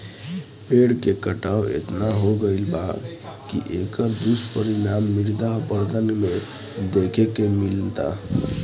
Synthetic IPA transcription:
peɽkekəʈawḛt̪naɦoɡəɪlba | kḭʔekəɾd̪uspəɾinamːiɾd̪apəɾd̪ʱənme | d̪ekʰekemilt̪a̰

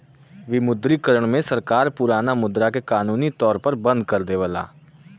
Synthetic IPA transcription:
ʋɪmʊd̪ɾikəɾəɽ̃mẽsɐɾkaːɾpʊɾaːnamʊd̪ɾakekaːnuːnit̪ɔːɾpɐɾbɐ̃nd̪̚kɐɾd̪eʋəla̰ː

